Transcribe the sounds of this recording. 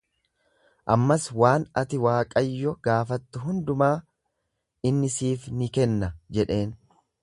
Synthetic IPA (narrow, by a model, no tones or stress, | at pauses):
ʔɐmːɐswaːnɐt̪ɪwaːkʼɐjːɔɡ̥aːfɐt̪ːʊɦʊnd̪ʊmaː | ʔɪnːɪsiːfnɪkɛnːɐd͡ʒɛᶑe̞ːn